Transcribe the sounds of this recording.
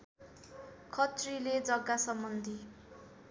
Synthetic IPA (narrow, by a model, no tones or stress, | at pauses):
kʰʌt̪riled͡zʌɡasʌmbʌnd̪ʱi